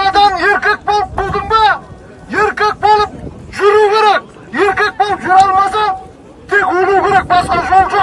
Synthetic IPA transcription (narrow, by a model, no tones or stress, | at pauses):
ɑd̪ɑnje̞ɾkʲe̞k̚bolˠəp̚bolˠd̪ɪmbe | jeɾkʲek̚bo̞lˠəp̚ʒʏɾukʲʰe̞ɾe̞k̚ | jeɾkʲe̞k̚bo̞lˠəpʒʊɾɑlˠmɑsɑn | t̪ʰe̞kwɵluwkʲʰeɾe̞k̚bɑsqɑʒolˠʒoq